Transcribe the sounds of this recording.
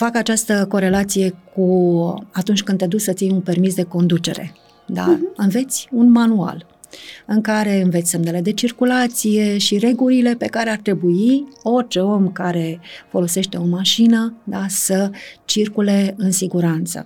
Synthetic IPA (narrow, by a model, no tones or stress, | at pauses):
fakat͡ʃast̪əko̞ɾe̞lat̪sije̞kuat̪unt͡ʃʲkɨnd̪ed̪ussət̪sijunpe̞rmisd̪e̞ko̞nd̪ut͡ʃe̞̰ɾe̞̰ | d̪a̰ɨnve̞t̪sʲunmanua̰l | ɨŋkaɾe̞ɨnvet̪sʲse̞mnele̞d̪e̞t͡ʃirkulat̪sije̞ʃiɾe̞ɡulile̞pe̞kaɾeart̪ɾe̞buio̞rt͡ʃeo̞mkaɾe̞fo̞lo̞se̞ʃt̪e̞o̞maʃinəd̪asət͡ʃirkule̞ɨnsiɡuɾant̪sə̰